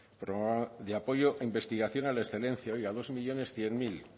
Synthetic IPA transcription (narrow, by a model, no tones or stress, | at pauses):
pɾoad̪eapo̞ʝo̞ʔaimbe̞st̪iɣaθjo̞nalaesθele̞nθjaojɣaðo̞zmiʎo̞ne̞sθje̞ŋmil